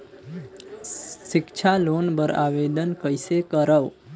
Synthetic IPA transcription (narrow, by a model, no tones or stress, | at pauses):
ʃɪkt͡ʃʰalonbəɾa̰ʋed̪ənkəjsekəɾəʋ